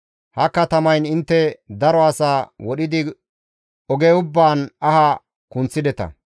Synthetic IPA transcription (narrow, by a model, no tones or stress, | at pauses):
hɐkːɐt̪ɐmɐjnɪnt̪ːɛd̪ɐɾɔɐsaːwɔɗɪd̪ɪ | ɔɡɛʊbːaːnɐhɐ | kʊnt͡sːɪd̪ɛt̪ɐ̰